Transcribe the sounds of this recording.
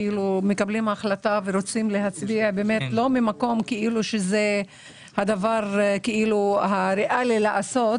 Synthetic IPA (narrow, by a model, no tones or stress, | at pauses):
ilumekablimaχlat̪aveɾot͡simle̞ɦat͡sbiabeme̞t̪lo̞mimako̞mkeʔiluʃeze | had̪avaʁkeʔiluhaɾeʔalilaʔaso̞t